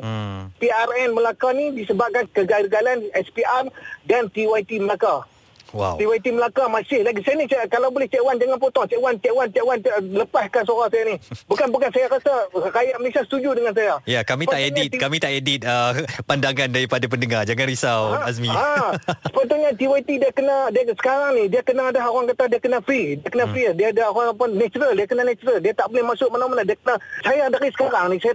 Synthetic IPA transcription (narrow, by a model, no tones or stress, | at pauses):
p̪iarɛnməlakanidisəbap̚kankəɡaɡalanɛspiʔardant̪iwajt̪iməlaka | wa̰wt̪iwajt̪iməlakamasɪhlaɡisajanit͡ʃkalawbolɛht͡ʃɛʔwand͡ʒaŋanpɔt̪ɔŋt͡ʃɛʔwant͡ʃɛʔwant͡ʃɛʔwanləpaskansoɾasajanibukanbukansajakəsəkajaʔməlesiasə̥t̪ud͡ʒudəŋans̬ajajakamipt̪aʔedit̪̚kamit̪aʔedit̪̚əpandaŋandaɾipadapəndəŋard͡ʒaŋanɾisawasmiasə̥pət̪uɲat̪iwait̪idiakənadiasə̥kaɾaŋnihdiakənaːdaɦoɾaŋkat̪adiakənafɾidiakənafɾidiaːdaoɾaŋpannɛt͡ʃəɾəldiakənanat͡ʃəɾəldiat̪aʔbolɛhmasʊʔ̚manamanadiakənasajaːdakisə̥kaɾaŋnisaja